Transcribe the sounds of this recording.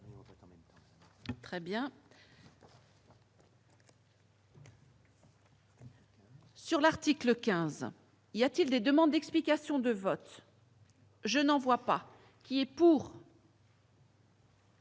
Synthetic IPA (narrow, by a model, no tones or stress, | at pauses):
t̪χɛbjɛ̃ | syʁlaʁt̪ikləkʲɛ̃z | iljat̪ild̪ed̪əmɑ̃d̪̚ːɛksplikasjɔ̃d̪əvɔt̪ | ʒənɑ̃vwapa | kʲiɛpuːʁ